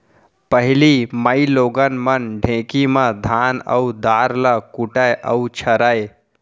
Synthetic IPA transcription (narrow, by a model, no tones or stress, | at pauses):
pəɦiliməjloɡənmənɖʱẽkiməd̪ʱanə̰ud̪aɾləkuʈəjʔəut͡ʃʰəɾəj